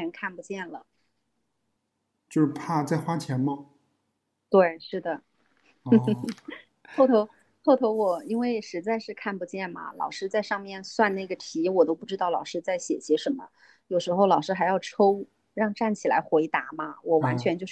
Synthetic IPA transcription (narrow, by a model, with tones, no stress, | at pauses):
ɛ˧˥nkʰa˥˩npu˧˥t͡ɕjɛ˥˩nlə˩ | t͡ɕjo˥˧ʊʂ̩˥˧pʰa˥˧t͡sa˥˩ɪxwa˥t͡ɕʰjɛ˧˥nmə˧ | t̪we˥˩ɪʂɻ̩˥˩d̪ə˩ | xo˥˩ʊt̪ʰo˧˥ʊ | xo˥˩ʊt̪ʰo˧˥ʊwɔ˨˩i˥nwe˥˩ɪʂɻ̩˧˥t͡sa˥˧ɪʂɻ̩˥˧kʰa˥˩npu˧˥t͡ɕjɛ˥˩nmɐ̰˩lɑ̰˨˩ʊʂɻ̩˥t͡sa˥˧ɪʂɑ˥˧ŋmjɛ˥˩nswa˥˧nna˥˩ɡə˩t̪ʰi˧˥wɔ˨˩t̪o˥ʊpu˥˩ʈ͡ʂɻ̩˥t̪ɑ˥˩ʊlɑ˨˩ʊʂɻ̩˥t͡sa˥˩ɪɕjɛ̰˨˩ɕjɛ˧˥ʂə˧˥nmə̰˧ | jo˨˩ʊʂɻ̩˧˥xo˥˧ʊlɑ˨˩ʊʂɻ̩˥xa˧˥jɑ˥˩ʊʈ͡ʂʰo˥ʊ | ɻɑ˥˧ŋʈ͡ʂa˥˩nt͡ɕʰi˨˩la̰˧˥ɪxwe˧˥ɪt̪a˧˥mɐ˧wɔ˨˩wa˧˥nt͡ɕʰɥɛ˧˥nt͡ɕjo˥˧ʊ